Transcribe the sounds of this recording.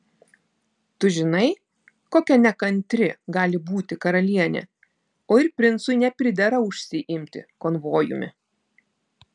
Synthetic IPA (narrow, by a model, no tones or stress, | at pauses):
t̪ʊʒʲɪnɐɪ | koːkʲɛnʲɛkɐnʲt̪ʲɾʲɪɡɑːlʲɪbuːt̪ʲɪkɐɾɐlʲiɛnʲɛ̰ | oːɪɾpʲɾʲɪnt̪sʊnʲɛpʲɾʲɪd̪ʲɛɾɐʊʃʲsʲɪʔɪmʲt̪ʲɪ̰kɔːnʋoːjʊ̰mʲɪ̰